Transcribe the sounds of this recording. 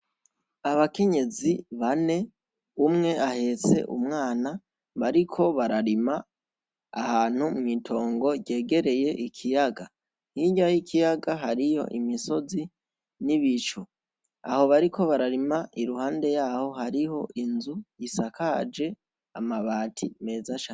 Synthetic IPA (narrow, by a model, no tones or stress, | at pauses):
aβake̞ɲe̞ziβane̞ | umŋe̞ʔahe̞t͡se̞̰ʔṵmŋaːna | βaɾikʰo̞βaɾaɾima | a̰haːn̥humŋiːtʰo̞ːŋɡo̞ɟe̞ːɡe̞ɾe̞je̞ʔikʰijaɡa | hiɲajikʰijaɡaɦaɾijo̞̰ʔimiso̞zi | niβit͡ʃo | a̰ho̞βaɾikʰo̞βaɾaɾimaʔiɾuhaːnde̞jaːho̞haɾiho̞ʔinzujisakʰad͡ʒe̞ | a̰maβaːtʰime̞ːzaʃa